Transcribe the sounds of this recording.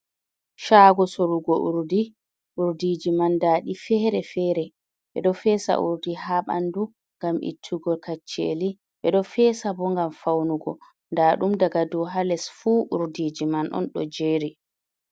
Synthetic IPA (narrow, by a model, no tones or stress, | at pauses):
ʃaːɡɔsoɾuɡɔʔuɾdi | ʔuɾdid͡ʒimandaːɗifɛːɾɛfɛːɾɛ | ɓɛ̰ɗɔfɛsa̰ʔṵɾdiɦaɓa̰ndu | ŋɡamʔḭtʰːuɡɔlkat͡ʃːḛli | ɓɛɗɔfɛːsabɔŋɡamfawnuɡɔ | ndaːɗumdaɡadɔɦalɛsfuːʔuɾdiːd͡ʒimanʔɔ̰nɗɔ̰d͡ʒeːɾi